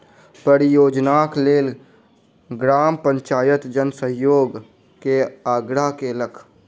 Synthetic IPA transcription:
pəɾijoːd͡ʒnaːkleːl | ɡɾaːmpə̃ɲt͡ʃaːjət̪d͡ʒənsəɦjoːɡ | keaːɡɾakeləkʰ

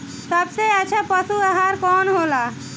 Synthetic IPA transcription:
səbseət͡ʃʰɛpəsuaɦaɾkɔnɦola

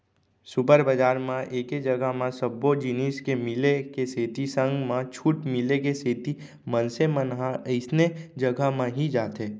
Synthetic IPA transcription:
supəɾbəd͡ʒaːɾmãʔeːked͡ʒɐɡəɦmãsəbːod͡ʒɪniːskemɪlekeseːt̪isə̃ŋɡmãt͡ʃʰuːʈmɪlek̬eseːt̪i | mənsemənɦaəɪsned͡ʒɐɡəmãɦid͡ʒaːt̪eː

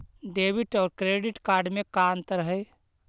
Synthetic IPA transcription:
ɖeːbiʈɔːɾkɾeːɖɪʈkaːɾɖmẽkaːnt̪ɾəɦəe

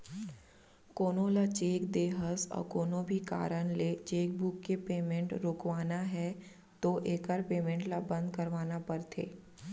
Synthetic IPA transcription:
koːnõlat͡ʃeːkd̪eːɦəsɔ̰ːɾkoːnõbʱika̰ːɾənlet͡ʃeːk̚bukːepeːmẽɳʈɾoːkʋaːnaɦɛ | t̪oʔeːkəɾpeːmẽɳʈlabə̃nd̪kəɾʋaːnapəɾt̪ʰḛː

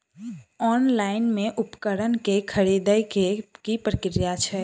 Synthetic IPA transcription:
ɔnlaɪnmẽʔupkəɾənkekʰəɾid̪əjkipɾəkɾijat͡ʃʰɛ

